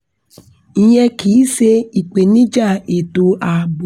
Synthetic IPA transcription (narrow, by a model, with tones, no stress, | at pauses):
i˦ɲɛ˦ki˨˦se˧i˨k͡pe˨nĩ˦d͡ʒa˦˨e˨to˧a˨bo˨